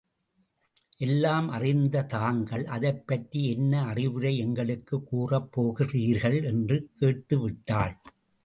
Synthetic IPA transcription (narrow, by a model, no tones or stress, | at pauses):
ʔɛlːaːmʔɐrɪnd̪ɐt̪aːŋɡɐɭʔɐðɐɪpːɐʈɾiɛnːɐːrɪʋɯɾɐɪɛŋɡɐɭɯkːɯkːuːrɐpːoːɣɪriːɾɣɐɭɛndrɯkeːʈːɯʋɪʈːaːɭ